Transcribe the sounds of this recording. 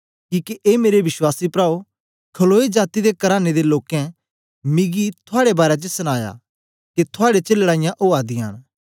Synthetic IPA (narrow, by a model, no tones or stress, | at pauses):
kiːkiʔeːmeːɾeʋɪswaːsipɾaːo | kʰɐloːed͡ʒaːt̪id̪ekɐɾaːned̪eloːkɛ̃ | miɡit̪ʰʊaːɽebaːɾad͡ʒəsɐñaːja̰ | ket̪ʰʊaːɽet͡ʃelɽaːɪ̃jãʔoːaːd̪ɪaːn